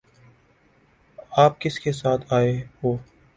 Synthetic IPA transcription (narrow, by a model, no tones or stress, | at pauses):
aːp̚kɪskesaːt̪ʰaːeɦoː